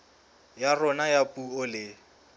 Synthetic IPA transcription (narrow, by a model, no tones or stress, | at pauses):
jarɔnajapʼuʊlɪ